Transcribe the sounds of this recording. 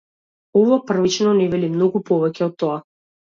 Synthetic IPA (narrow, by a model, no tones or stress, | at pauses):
ɔvapr̩vit͡ʃnɔnɛvɛlimnɔɡupɔvɛcɛɔt̪ːɔa